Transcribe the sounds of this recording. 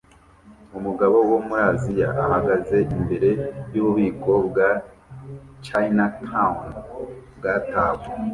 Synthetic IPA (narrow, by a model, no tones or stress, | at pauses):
umuɡaβo̞womuɾaːzija̰ʔahaɡaze̞ʔimbe̞ɾe̞juβuβiːkʰo̞bɡa | t͡ʃainatʰaunbɡataːβu